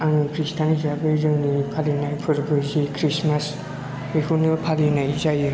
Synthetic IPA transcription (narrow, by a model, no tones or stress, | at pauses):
anɯpɾistʰanizabɯzɯwnipʰalinajpʰɯɾbɯzikʰɾismas | ekʰunɯpʰalinajzajɯ